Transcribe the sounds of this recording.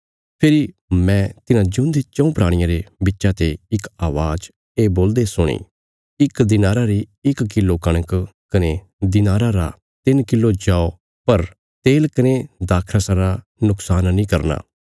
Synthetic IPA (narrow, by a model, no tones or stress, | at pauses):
pʰeɾi | mɛ̃ːt̪ɪnãd͡ʒʊ̃nd̪et͡ʃɐ̃ũpɾaːɽ̃ɪjãɾebɪtːʃat̪eɪkaːʋaːd͡ʒ | eːboːld̪esʊɽ̃ḭː | ɪkd̪ɪnaːɾaɾi | ɪkːɪlokɐɽ̃əkkɐne | d̪ɪnaːɾaɾa̰ | t̪ɪnkɪlːod͡ʒaːo | pɐɾ | t̪eːlkɐned̪aːkʰɾasaɾa | nʊksaːnnĩːkɐɾna̰ː